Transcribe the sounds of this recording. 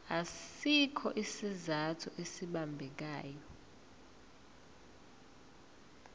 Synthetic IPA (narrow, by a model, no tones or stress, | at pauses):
asikʰɔʔisizatʰuʔesiɓambʱɛk̬aːjɔ